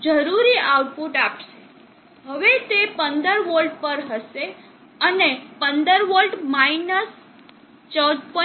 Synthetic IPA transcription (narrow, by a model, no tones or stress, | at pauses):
d͡ʒəɾuɾiawʈpuʈapʃe̥ | ɦəʋet̪epənd̪əɾʋəlɖ̚pəɾɦəʃe | ənepənd̪əɾʋəlɖmainəs | t͡ʃəwd̪̚pə